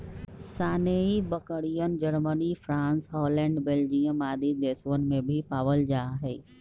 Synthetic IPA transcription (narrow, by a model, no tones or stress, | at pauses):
saːneibəkəɽijənd͡ʒəɾmənifʰɾãːnsɦɔːlɛ̃ːɳɖbeːld͡ʒijə̃maːd̪ʱid̪eːsʋənɪ̆mẽbʱipaːʋəld͡ʒaːɦɛ